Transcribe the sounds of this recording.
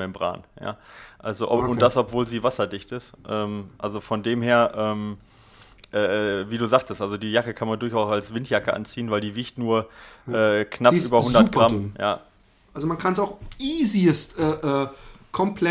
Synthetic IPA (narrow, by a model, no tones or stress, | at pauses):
ɪmbʁa̰ːnja̰ːʔalzoʔʊnd̥asʔɔpv̥oːlziːvasɐdɪçtɪstʔɛːmʔalzofɔndeːmheːɐʔɛːm | ʔɛːʔɛːviːduːzaːχtəstʔalzodiːjakəkʰanmandʊɐçaʊsalsv̥ɪntʰjakəʔa̰nt͡siːənvaɪldiːviːçtnuːɐʔɛːknapːyːbɐhʊndɐt̚ɡ̥ʁammja̰ː | ʔalzomankʰansaʊxiːzistʔɛːʔɛːkʰɔmpʰlɛ